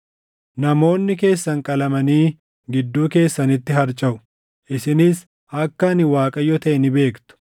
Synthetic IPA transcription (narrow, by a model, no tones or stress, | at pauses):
nɐmo̞ːnːɪk̬e̞ːsːɐŋkʼɐlɐmɐniː | ɡɪd̪ːuːke̞ːsːɐnɪt̪ːɪɦɐɾt͡ʃʼɐʔʊ̥ | ʔɪsɪnɪs | ʔɐkːɐnɪwaːkʼɐjɔt̪ɐʔɛnɪbe̞ːkt̪ʊ̥